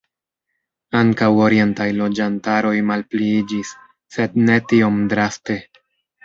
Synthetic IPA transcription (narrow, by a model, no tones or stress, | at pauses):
aŋkawo̞ɾije̞ntajlo̞d͡ʒantaɾo̞jmalpliid͡ʒisː | e̞dne̞tio̞mdɾaste̞